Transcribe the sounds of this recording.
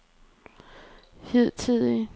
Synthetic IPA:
hið̰ˠt͡sʰið̰ˠi

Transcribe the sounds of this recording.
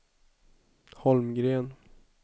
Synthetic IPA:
hɔlmɡɾeːn

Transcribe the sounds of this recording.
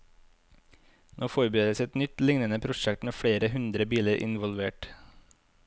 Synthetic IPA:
nʔoːfɔɾbøːd̪əsɛt̪nʏt̪lɪŋnənəpʰɾʊʃɛkt̪meːfɽeːɾəhʉnd̪ɾəbiːləɾʔɪ̰nʋɔlʋeːʈ

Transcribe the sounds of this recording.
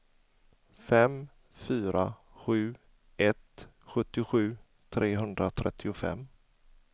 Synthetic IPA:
fɛm | fyːɾa | ɧʉ̟ː | ɛt̪ | ɧɵt̪ːɪɧʉ̟ː | t̪ʰɾeːɦɵnd̪ɾat̪ʰɾʔɛt̪ʰːɪʊfɛ̰mː

